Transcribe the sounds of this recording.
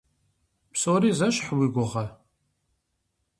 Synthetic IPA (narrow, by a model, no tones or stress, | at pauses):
psʊɾizæʃħwiɡʷəʁa